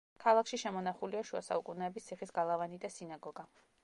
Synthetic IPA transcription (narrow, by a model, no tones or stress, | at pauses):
kʰalˠakʃiʃɛmɔnaχuliaʃua̰sa̰ukʼunɛːbist̪sʰiχisɡalˠavanid̪asinaɡɔɡa